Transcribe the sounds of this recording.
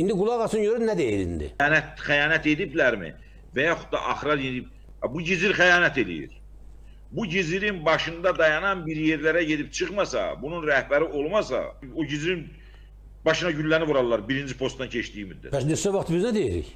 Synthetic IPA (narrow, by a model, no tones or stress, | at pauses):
ind̪iɡulˠɑɣɑsɯnɟøɾynnæd̪ejiɾḭnd̪ḭːnæt̪χæjɑːnæt̪e̞d̪iblæɾmḭ | væjɑχud̪̥̚ɑ̰ʔɑχɾɑɾjeniib̚ | buɟiziɾχæjɑːnæt̪ʰe̞lḭjḭɾ | buɟiziɾinbɑʃɯnd̪ɑd̪ɑjɑnɑnbiɾje̞ɾlæɾæɟe̞d̪ip̚t͡ʃʰɯχmɑsɑ̰bununɾæhbæɾiʔo̞lˠmɑsɑ̰oɟiziɾin | bɑʃɯnɑɟylːænivuɾɑlˠlːˠɑɾbiɾind͡ʒipʰo̞st̪ɑncʰeʃt̪iːimyd̪æt̪pæsnesævɑχt̪biznæd̪ejiɾḭç